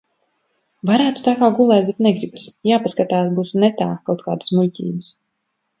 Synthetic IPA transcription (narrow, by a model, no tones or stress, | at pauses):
vaɾæːt̪u̥t̪aːkaːɡulˠɛːt̪̚bɛt̪̚nɛɡɾibsjaːpaskat̪aːt̪buːsnɛt̪aːkawt̪̚kaːd̪ə̥smulʲcʲḭːbɨs